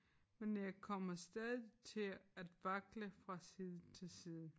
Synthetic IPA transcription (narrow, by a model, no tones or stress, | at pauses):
menjɑ̈ɪkʰɒ̽m̰ɐsd̥ɛðˠit͡sʰe̝læd̥ʋɑ̈ɡ̥ləfʁɑ̈siːðˠt͡sʰe̝lsiːðˠn̩